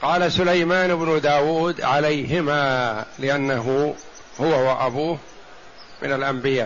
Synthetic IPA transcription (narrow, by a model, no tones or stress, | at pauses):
qɑːlasʊlajmaːnɪbnʊd̪aːwuːd̪ʕalajɦɪmaːlɪʔanːaɦʊ | hʊwawaʔabuːh | mɪ̰nalʔambɪjaː